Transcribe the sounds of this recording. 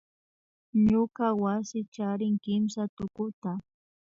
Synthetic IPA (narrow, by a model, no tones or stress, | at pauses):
ɲʊkawasɪt͡ʃaɾɪŋkɪmsat̪ʊkʊt̪a